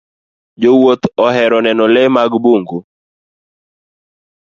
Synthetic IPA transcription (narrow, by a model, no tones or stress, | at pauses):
d͡ʒowot̪ɔɦɛɾɔnɛnɔlɛmaɡboŋɡu